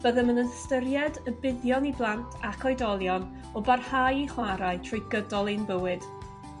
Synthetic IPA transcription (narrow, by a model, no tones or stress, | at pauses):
b̥əðəmənənstəɾjɛdəbɪðjɔniblˠantʰakʰɔjdɔlˠjɔn | ɔbarhajiχwaɾaɨtʰrɪjɡədɔlˠenbəwɨd̥